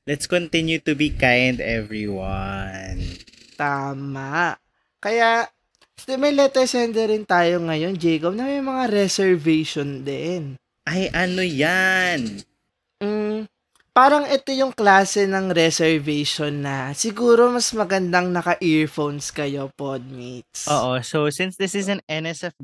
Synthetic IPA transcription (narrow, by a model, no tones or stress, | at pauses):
lɛt̪skont̪ɪnjut̪ubikãjnd̪ɛvɹiwan | t̪aːmaʔ | kɐja | mɐjlɛt̪ɐsɛnd̪ɛɾɪnt̪aːjo̞ŋɐjo̞nd͡ʒɛjkopnɐmɐjmɐŋaɾɛsɛɹvɛʃond̪ɛn | ʔɐjʔɐnojan | mm̩ | paːɾɐŋɛt̪o̞jʊŋklaːsɛnɐŋɾɛsɛɹvɛjʃonːɐsɪɡuːɾo̞mɐsmɐɡɐnd̪aŋnɐkɐʔiɹfownskɐjo̞pod̪̚mit̪̚soːʔosowsɪnsd̪ɪsɪsɐ̃nɛnɛsɛf